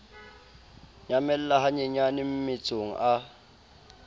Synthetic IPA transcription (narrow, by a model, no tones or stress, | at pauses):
ɲamɛl̩laɦaɲɛɲanɪm̩mɪt͡sʼoŋ̩ʔa